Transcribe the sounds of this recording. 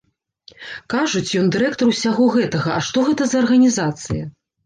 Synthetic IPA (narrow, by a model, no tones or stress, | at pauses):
kaʐut͡sʲjɔnd̪ɨɾɛk̚t̪ɐruwsʲaɣɔɣɛt̪ɐɣɐɐʂt̪ɔɣɛt̪ɐzɐɐrɣɐnʲizat̪sɨjɐ